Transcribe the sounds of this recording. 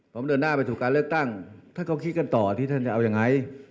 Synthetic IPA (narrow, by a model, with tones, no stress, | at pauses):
pʰɔ˩˦mdɤː˧nːaː˥˩pa˧jt̪ʰuː˨˩kaː˧nlɯ˥˩ək̚t̪a˥˩ŋt̪ʰaː˥˩ka˧˥˩wkʰi˦˥ka˧nt̪ɔː˨˩t̪ʰiː˥˩t̪ʰa˥˩nt͡ɕa˨˩ʔa˧wja˧ŋa˧j